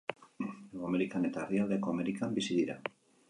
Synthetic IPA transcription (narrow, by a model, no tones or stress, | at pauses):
ameɾikanet̪arjald̪ekoameɾikambisiðiɾa